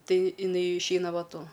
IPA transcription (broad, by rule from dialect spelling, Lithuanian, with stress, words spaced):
ˈtɐɪ ɪˈnɐɪ ɪʃʲˈɛɪnɐ ˈʋɐ ˈtʊ